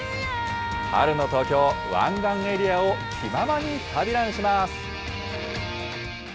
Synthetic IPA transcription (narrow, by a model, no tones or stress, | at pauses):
a̰ɾɯ̟no̞t̪o̞ːkʲo̞ːβã̰ŋɡãŋ̃e̞ɾʲiaokʲʰimamaɲ̟it̪ʰabʲiɾãɰ̃ɕimasɨ̥